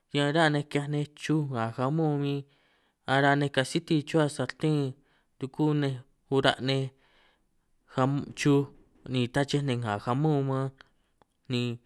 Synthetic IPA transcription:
ɲã˧ɾa˦˧nẽ˧kja˧nẽ˧t͡ʃu˦ŋã˨ha˧mõ˦˨˧mĩ˦ | a˧ɾa˧nẽ˧ka˧si˦t̪i˧t͡ʃu˦a˧sa˧t̪ẽ˦ | td̪u˧ku˦nẽ˧ | hu˧ɾa̰˧ʔnẽ˧ | ha˧t͡ʃu˦ | nĩ˨t̪a˦t͡ʃe˦nẽ˧ŋã˨xa˧mõ˦˨˧mã˦ | nĩ˧

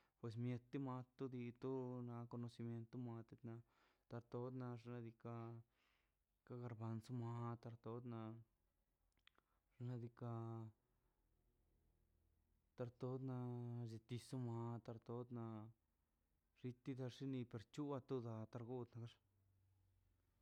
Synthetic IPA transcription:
pwe˧s̬mje˧t̪ːi˦ma˧t̪u˦d̪i˧t̪u˦na˧ko˧no˧si˧mje˧nt̪ːu˦ma˧t̪e˧t̪na˧ | t̪a˧ɾt̪o˧˦d̪na˧ʐna˧d̪i˧ka˧ | ka˧˦ɡa˧ɾba˧nsu˦ma˧t̪a˧ɾt̪o˦d̪na˧ | ʐ̥na˧d̪i˧ka˧ | t̪a˧ɾt̪o˧˦d̪na˧ze˧t̪i˧su˦ma˧t̪a˧ɾt̪o˦d̪na˧ | ʐ̥i˧t̪i˦d̪a˧ʂi˦ni˧pe˧ɾt͡ʃu˦a˧t̪u˦d̪a˧t̪a˧ɾɡu˦d̪na˧ɡa˦ʂ

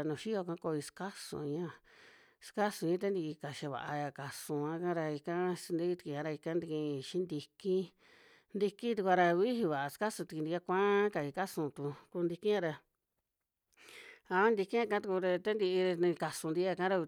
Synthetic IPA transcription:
nũ˨ʃi˦o˧kã˧˦ko˧i˧ska˦sṵ̃˧˨˧ɲã˦˧ | ska˦sũ˧ɲĩ˦t̪̬e˦nd̪i˧i˧ka˨ʃi˧βa̰˨ʔa˧ja˧ka˨sũ˧ã˧˦kã˦ɾa˧i˧kã˦snd̪i˧˦i˦t̪i˧ki˧ã˧ɾa˧i˧kã˦nd̪i˧kĩ˧ʃĩ˦nd̪i˧ki˦ | nd̪i˧kĩ˦t̪u˧kʷa˧ɾa˧βi˦ɦi˧βa˨ʔa˧ska˦sũ˧t̪i˧ki˧nd̪a˧kʷã˦ka˧˨i˧ka˦sũ˧˨t̪u˧ku˧nd̪i˧kĩ˦ã˧ɾa˧ | a˧˦nd̪i˧ki˦ã˧kã˦t̪u˧ku˧ɾa˧t̪a˦nd̪i˧i˧nĩ˧ka˨sũ˧nd̪i˧˦a˧kã˦ɾa˧

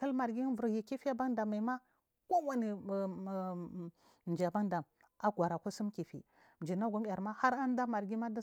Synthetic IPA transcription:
ka˦lma˨ɾɡi˦vu˨ɾji˨ki˦fi˦a˦ba˦nda˨ma˨ma˦ | ko˦wa˨ni˨ | nd͡ʒi˨a˨ba˦nda˨m | a˦ɡʷa˨ɾa˨kʷu˦su˦mki˨fḭ˨ | m˨d͡ʒi˨na˦ɡʷa˦m˦ja˨ɾma˦ha˦ɾa˦n˦da˦ma˨ɾɡi˦ma˦da˦

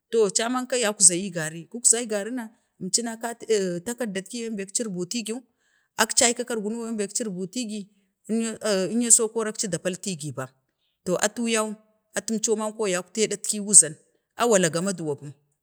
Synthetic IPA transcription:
to˨t͡ʃa˦ma˦nka˦ja˨ku˦za˨ji˦ɡa˨ɾi˦ku˦kza˦i˦ɡa˨ɾi˦na˨ | mt͡ʃi˦na˦ka˦˨ta˦ka˦da˨tki˦ja˦mbe˨kt͡ʃi˦ɾbu˨ti˦ɡi˦u˦ | a˦kt͡ʃa˦i˦ka˦ka˦ɾɡu˨nu˦wa˦be˨kt͡ʃi˦ɾbu˨ti˦ɡi˨˦˨ | i˦nja˦so˦ko˦ɾa˦kt͡ʃi˦da˨pa˦lti˦ɡi˨ba˨ | to˨ʔa̰˨tu˦ja˦u˦ | a˨tu˦mt͡ʃo˦ma˦nko˦ja˨ku̥˦te˦da˦tki˦wu˦za˨n | a˦wa˨la˨ɡa˨ma˦du˨wa˨bu˦m

